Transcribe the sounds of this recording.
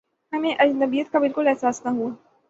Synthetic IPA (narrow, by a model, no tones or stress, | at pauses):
ɦɐmẽʔɐd͡ʒnd̪ɐbijət̪̚kabɪlkʊlɛɦsaːsnaɦuaː